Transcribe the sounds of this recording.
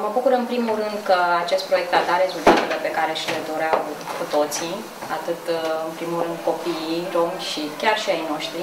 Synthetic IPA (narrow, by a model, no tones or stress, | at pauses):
məbukuɾɨnpɾimulɾɨnd̪kəat͡ʃe̞st̪pɾo̞jek̚t̪ad̪aɾe̞zult̪at̪e̞le̞pe̞kaɾeʃile̞d̪o̞ɾeawkut̪o̞t̪si | at̪ɨt̪ɨnpɾimulɾɨnd̪ko̞piiro̞mʃikʲarʃiajno̞ʃt̪ɾi